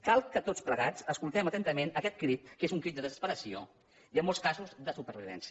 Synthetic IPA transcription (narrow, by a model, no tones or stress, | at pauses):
kalˠkət̪ot͡spləɣat͡səskulˠt̪ɛmət̪ɛnt̪əmenəkɛt̪̚kɾit̪kezuŋkɾid̪əðəzəspəɾəsio̰ | iəmːolˠskazuzd̪əsupəɾβiβɛ̰ns